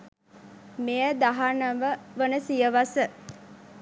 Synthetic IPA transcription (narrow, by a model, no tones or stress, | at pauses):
mejəd̪aɦanəʋəʋənəsijəʋasə